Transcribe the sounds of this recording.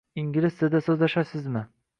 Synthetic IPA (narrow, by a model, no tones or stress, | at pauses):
iŋɡʲlɪst̪ɪd̪asɵzlaʃasɪzmɪ